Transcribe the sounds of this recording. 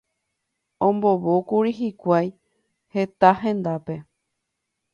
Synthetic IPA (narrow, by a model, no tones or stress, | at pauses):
õmbo̞βokuɾiɦikʷaj | he̞t̪ahɦẽ̞nd̪ape̞